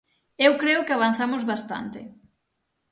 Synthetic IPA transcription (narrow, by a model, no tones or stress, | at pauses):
ewkɾeʊkɪaβ̞an̟θamʊzβast̪a̰nt̪ɪ̰